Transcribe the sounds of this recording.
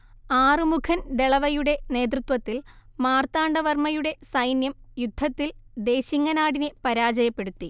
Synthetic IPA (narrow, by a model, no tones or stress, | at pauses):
aːrɨmukʰɐnd̪eɭɐʋɐjuɽe̞ne̞ːt̪rɨt̪ʋɐt̪ːilmaːrt̪aːɳɖɐʋɐrmɐjuɽe̞sɐjnjɐmjud̪ʱːɐt̪ːild̪e̞ːɕiŋːɐnaːɽinepɐɾaːd͡ʑɐjɐpːe̞ɽut̪ːi